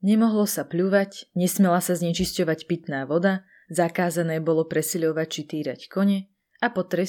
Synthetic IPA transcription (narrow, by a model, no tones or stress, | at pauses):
ɲɛmɔɦlɔsapʎuʋacɲɛsmɛlasazɲɛt͡ʃiscɔʋacpit̪naːʋɔd̪a | zakaːzanɛːbɔlɔpɾɛsiʎɔʋac̚t͡ʃit̪iːɾa̰ckɔɲɛ | apɔt̪ɾɛ